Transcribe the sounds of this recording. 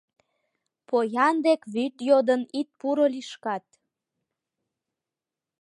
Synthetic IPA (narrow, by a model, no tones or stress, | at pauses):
pojɑnd̪ekβyt̪jod̪ənit̪̚puɾoliʃkɑt̪̚